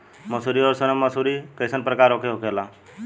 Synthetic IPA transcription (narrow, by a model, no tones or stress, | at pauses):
məsuɾioɾsənəməsuɾikəsənpɾəkaːɾokʰeɦokela